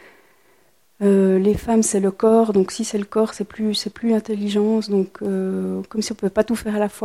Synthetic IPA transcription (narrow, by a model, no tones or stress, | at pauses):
ølefamsɛləkɔːʁd̪ɔ̃ksisɛləkɔːʁsɛplysɛplylɛ̃t̪elːiʒɑ̃ːsd̪ɔ̃kʰøkɔmsiɔ̃pøpat̪ufɛːʁalafwa